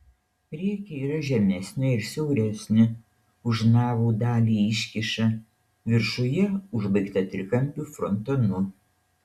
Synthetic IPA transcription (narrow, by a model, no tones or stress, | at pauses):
ɾʲiɛkʲɛiːɾɐʒʲɛmʲɛsʲnʲɪɪɾsʲɛʊɾʲɛsʲnʲɪ | ʊʒnɑːʋuːd̪ɑːlʲiːɪʃʲkʲɪʃɐ | ʋʲɪɾʃʊjɛʊʒbɐɪkt̪ɐt̪ʲɾʲɪkɐmʲpʲuːfɾɔnt̪ɐnʊ